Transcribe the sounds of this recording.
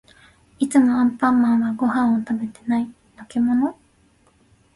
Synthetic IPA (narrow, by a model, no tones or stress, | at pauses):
it͡sɨmo̞ãmpãmːãɰ̃βaɡo̞hãɰ̃ot̪abe̞t̪e̞nai | nokemo̞no̞